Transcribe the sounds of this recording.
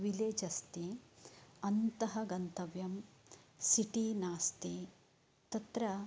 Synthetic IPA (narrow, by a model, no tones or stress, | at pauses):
ʋileːd͡ʒɐst̪i | ɐnt̪ɐɦɐɡɐnt̪ɐʋjɐmsiʈiːnaːst̪i | t̪ɐt̪ɾɐ